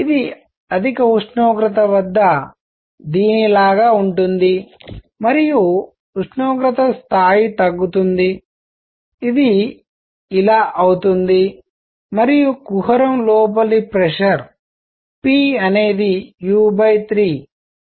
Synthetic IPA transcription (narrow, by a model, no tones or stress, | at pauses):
id̪i | ɐd̪ʱikɐuʂɳoːɡɾɐt̪̬ɐʋɐd̪ːɐ | d̪iːnilaːɡaːuɳʈund̪i | mɐɾiju | uʂɳoːɡɾɐt̪ɐst̪ʰaːjit̪ɐɡːut̪und̪i | id̪iː | laːʔɐwt̪und̪i | mɐɾijukuɦɐɾɐmlɔːp̬ɐlipɾɛʂɐɾ | piːɐne̞ːd̪ijuːbɐjt̪ɾiː